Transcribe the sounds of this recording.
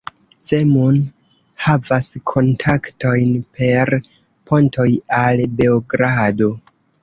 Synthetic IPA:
t͡se̞mun | havaskʰo̞ntʰakto̞jnpʰe̞ɾ | pʰo̞ntʰo̞jalbe̞oɡɾado̞

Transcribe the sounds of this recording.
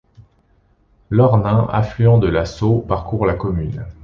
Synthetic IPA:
lɔʁnɛ̃ʔa̰flyɑ̃d̪əlasopaʁkuʁlakɔmyn

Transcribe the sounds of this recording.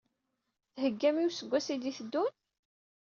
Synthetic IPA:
θhəɡːæmiwsəɡʷːæsid̪iθəd̪ːun

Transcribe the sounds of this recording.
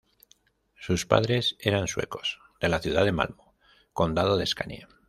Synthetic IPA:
suspa̰ð̞ɾe̞se̞ɾanswe̞̰ko̞̥s | d̪e̞laθjuð̞aðe̞ma̰lmo | ko̞nd̪að̞oð̞e̞skanḛ

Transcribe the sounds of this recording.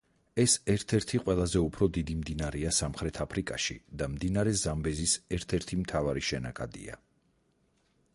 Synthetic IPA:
ɛsɛɾt̪ʰɛɾt̪ʰiqʼwɛlˠazɛupʰɾɔd̪id̪imd̪inaɾɛasamχɾɛt̪ʰapʰɾikʼaʃḭd̪amd̪inaɾɛzambɛzisɛɾt̪ʰɛɾt̪ʰimt̪ʰavaɾiʃɛnakʼad̪ḭa̰

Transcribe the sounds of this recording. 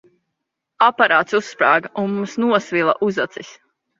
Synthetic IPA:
apaɾaːt̪susːpɾaːɡaʔunmumsnuɔsvilˠa̰ʔuzat̪sis

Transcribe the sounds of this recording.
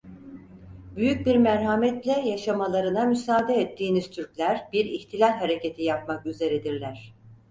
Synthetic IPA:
byjyc̚biɾmæɾɦamɛt̪lʲɛjaʃamalˠaɾɯnamysaːd̪ɛɛt̪ʰːiːniz̥t̪ʰyɾclʲæɾbiɾiçt̪ʰilʲalʲɦaɾe̞cʰe̞t̪ʰijap̚makyze̞ɾɛd̪iɾlʲæɾ̝̥

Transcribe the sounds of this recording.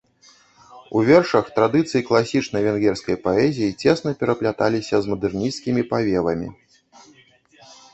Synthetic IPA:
uvʲɛrʂɐxt̪ɾad̪ɨt̪sɨjiklˠasʲit͡ʂnɐjvʲɛnɣʲɛrskɐjpaɛzʲijit͡sʲɛsnɐpʲɛɾɐplʲat̪alʲisʲɐzmɐd̪ɛrnʲiskʲimʲipavʲɛvɐmʲḭ

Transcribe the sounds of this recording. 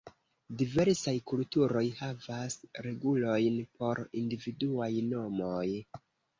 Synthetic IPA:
dive̞ɾsajkultuɾo̞jhavasɾe̞ɡulo̞jnpo̞ɾindividuajno̞moj

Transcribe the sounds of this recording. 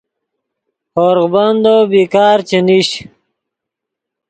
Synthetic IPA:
hoːɾʁband̪obikaːɾt͡ɕeniɕ

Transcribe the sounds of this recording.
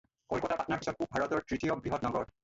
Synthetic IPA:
kɔlkɔtapatnaɹpisɔt̚kubʱaɹɔtɔɹtɹitijɔbɹiɦɔtnɔɡɔɹ

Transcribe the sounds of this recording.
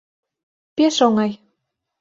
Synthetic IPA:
peʃoŋɑj

